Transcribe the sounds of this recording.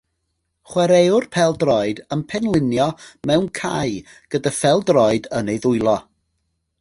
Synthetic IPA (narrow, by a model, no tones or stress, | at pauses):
χwɛɾejʊrpʰɛlˠdrɔɨdəmpʰɛnlˠɪnjɔmɛwnkʰa̰j | ɡ̥ədafɛlˠdrɔɨdənejðʊjlˠɔ